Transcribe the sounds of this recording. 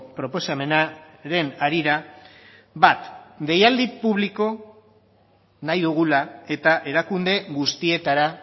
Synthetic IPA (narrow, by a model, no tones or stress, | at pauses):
pɾo̞po̞same̞na | ɾe̞naɾiɾa | bat̪d̪e̞jald̪ipuβliko̞ | najðuɣ̞ulae̞t̪aʔe̞ɾakund̪e̞ɣust̪ie̞t̪aɾa